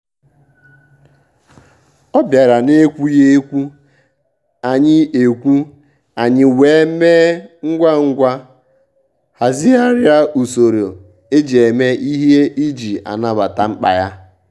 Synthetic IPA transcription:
ɔ˦bja˨ɾa˨ne˦kʷu˦je˦kʷu˦ | a˨ɲɪ˦e˨kʷu˦ | a˨ɲɪ˦weː˨˦me˦ŋ̩˦ɡʷa˦ŋ̩˦ɡʷa˦ | ha˨zi˦a˦ɾja˦u˨so˨ɾo˨ | e˦d͡ʒe˨e˨me˦ʔi˦ɦe˦i˦d͡ʒi˨a̰˨na˦ba˨ta˨ŋ͡m̩˦k͡pa̰˨ja˦

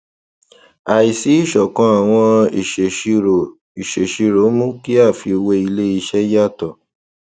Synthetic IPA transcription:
a˨i˨si˨˦i˦˨ʃɔ˨kã˧˦a˨w̃ɔ̃˧i˨ʃe˨ʃi˧ɾo˨ | i˨ʃe˨ʃi˧ɾo˨˦mũ˦ki˦a˦˨fi˧we˧i˧le˦i˧ʃɛ˦ja˦˨tɔ˨

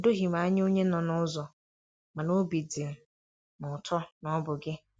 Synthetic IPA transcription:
do˦ɦi˨m̩a˨˦ɲ˦o˦ɲe˦nɔ˨nʊ˦zɔ˨ | ma˨no˦bi˨dɪ˨m̩˨ | nʊ˨tɔ˦nɔ˦bʊ˨ɡɪ˦

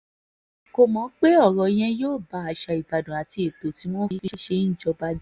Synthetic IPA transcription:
ko˧mɔ̃˨˦k͡pe˦ɔ˦˨ɾɔ˧j̃ɛ̃˧joː˦˨ba˨˧˦a˧ʃa˧i˨ba˨dɔ̃˨a˨ti˧e˨to˨ti˨˦w̃ɔ̃˦fi˦ʃe˧˦n̩˦˨d͡ʒɔ˧ba˧˦d͡ʒ

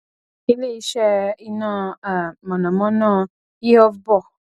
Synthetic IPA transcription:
i˧le˦˨i˧˦ʃɛ˧i˧nãː˦˧˨a˨mɔ̃˨nã˨mɔ̃˨˦nãː˦˧ | i˦ɔ˧vbɔ˦˨

